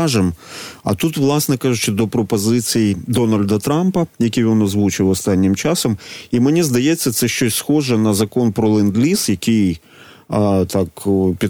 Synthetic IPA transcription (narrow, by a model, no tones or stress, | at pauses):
ʒɛmɐ̰t̪ut̪ʋlˠɑsnɛkɑʒʊt͡ʃɪd̪ɔpɾɔpɔzɪt͡sʲijid̪ɔnɐlʲd̪ɐt̪ɾɑmpɐjɐkʲijʋɔnɔzʋut͡ʃɪwɔst̪ɑnʲːɪmt͡ʃɑsɔmimenʲizd̪ɐjet͡sʲːɐt̪sɛʃt͡ʃɔsʲsxɔʒɛnɐzɐkɔnpɾɔlˠɪnd̪lʲisjɐkʲij | t̪ɑkpʲi